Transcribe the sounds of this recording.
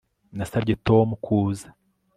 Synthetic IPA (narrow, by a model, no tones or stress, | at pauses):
nasabɟeto̞mukʰuːzḁ